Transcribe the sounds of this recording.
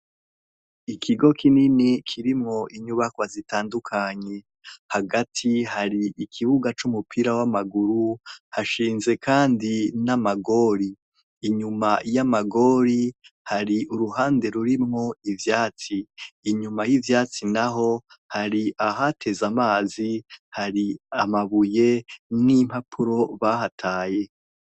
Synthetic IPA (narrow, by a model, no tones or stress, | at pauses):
ikʰiɡo̞kʰininikʰiɾimŋo̞ʔiɲuβakwazitaːndukʰaɲe̞ | haɡatʰihaɾiʔikʰiβuɡat͡ʃumupʰiɾawamaɡuɾuhaʃiːnze̞kʰaːndinamaɡo̞ːɾiː | ɲumajamaɡo̞ːɾihaɾiʔuɾuɦaːnde̞ɾuɾimŋoivjaːt͡siːɲumajivjaːt͡sinaɦo̞ | haɾiʔaɦatʰe̞zamaːzihaɾiamaβuje̞nim̥hapʰuɾo̞βahatʰaːje̞